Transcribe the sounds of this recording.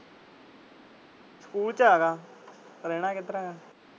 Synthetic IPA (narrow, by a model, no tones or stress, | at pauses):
skuːlt͡ʃaːɡaː | ɾeːɽ̃aːkɪt̪ɾaːɡaː